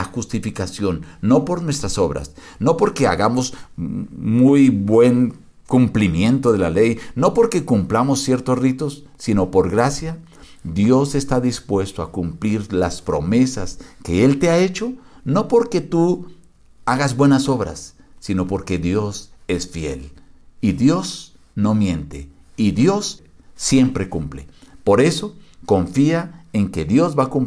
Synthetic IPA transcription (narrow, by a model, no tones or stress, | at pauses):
axust̪ifikasjo̞nːo̞po̞ɾnwe̞st̪ɾaso̞βɾa̰s | no̞po̞ɾke̞a̰ɣamo̞s | mujbwe̞ŋ | kumplimje̞nt̪o̞ðe̞lale̞jno̞po̞ɾke̞kumplamosːje̞ɾt̪o̞srit̪o̞sːino̞po̞ɾɣɾasja | d̪jo̞se̞st̪aðispwe̞st̪oakumpliɾlaspɾo̞̰me̞saske̞e̞lt̪e̞ae̞t͡ʃo̞no̞po̞ɾke̞t̪u | aɣazbwe̞naso̞βɾa̰sːino̞po̞ɾke̞ðjo̞se̞sfje̞̰liðjo̞s | no̞mje̞nt̪ḛ | iðjo̞sː | je̞mpɾe̞kumplḛpo̞ɾe̞so̞ko̞ɱfiaeŋke̞ðjo̞zβakump